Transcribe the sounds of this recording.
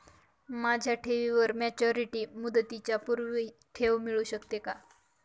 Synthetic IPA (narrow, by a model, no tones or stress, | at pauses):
mad͡ʑʱjaʈʰeʋiʋəɾmɛt͡ɕɔɾiʈiːmud̪t̪it͡ɕjapuɾʋiʈʰeʋmiɭuɕəkt̪eka